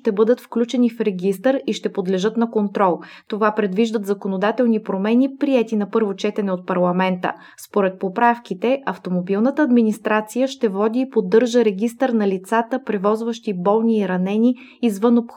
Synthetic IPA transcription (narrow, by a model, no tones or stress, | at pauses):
t̪ɛbɤd̪ət̪fklʲut͡ʃɛnifɾɛɡist̪əɾiʃt̪ɛpod̪lɛʒɤt̪nɐkont̪ɾɔlˠ | t̪ovapɾɛd̪viʒd̪ət̪zɐkonod̪at̪ɛlˠnipɾomɛnʲipɾiɛt̪inɐpɤɾvot͡ʃɛt̪ɛnɛot̪̚pɐɾlˠɐmɛnt̪ə̰ | spoɾɛt̪̚popɾafkit̪ɛʔɐft̪omobilˠnət̪əːd̪minist̪ɾat̪sijəʃt̪ɛvɔd̪iːpod̪ːɤɾʒəɾɛɡʲist̪əɾnɐlit̪sat̪əpɾɛvɔzvəʃt̪ibɔlˠniːɾɐnɛniː | zvɤnopx